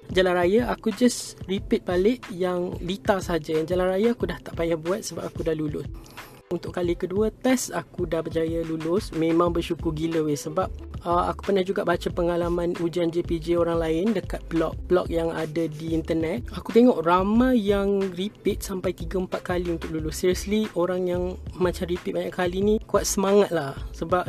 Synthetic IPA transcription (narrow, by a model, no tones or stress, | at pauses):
d͡ʒalanɾajaʔakud͡ʒasripɪt̪̚balɪʔjaŋlit̪asəɦad͡ʒajand͡ʒalanrajaakudaht̪aʔpajahbuat̪̚səbapakudalulʊs | unt̪ʊʔkalikəduət̪ɛsakudahbəd͡ʒajalulʊsmẽmãŋbərʃukʊrɡiləwesəbap̚əa̰ku̥pərnahd͡ʒuɡaʔbat͡ʃapəŋalamãnud͡ʒand͡ʒeped͡ʒeoɾaŋlaɪndəkat̪̚blɔk̚b̥lɔ̰k̚jaŋadadiːnt̪ərnɛt̪̚akut̪eŋɔʔramajaŋripit̪̚sampajt̪iɡəəmpat̪̚kaliunt̪ʊk̚lulʊsːiɾiɔslioɾaŋjaŋmãt͡ʃamripit̪̚baɲaʔkalinikuat̪̚səmaŋat̪̚lahsəbap̚